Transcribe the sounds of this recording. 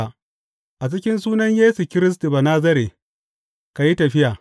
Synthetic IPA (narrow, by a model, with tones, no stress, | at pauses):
ʔa˨t͡ʃɪ˦kʲɪ˦ns̬uː˦nɐ˦ɲjeː˦su˨kʲɪ˦ɾɪ˦s̬ti˨baː˨naː˦zɐ˦ɾe˨ | ka˨ji˦tɐ˨ɸɪ˦jaː˨